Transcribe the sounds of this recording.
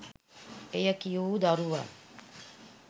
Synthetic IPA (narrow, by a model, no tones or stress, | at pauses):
ejəkijuːd̪aɾuʋa̰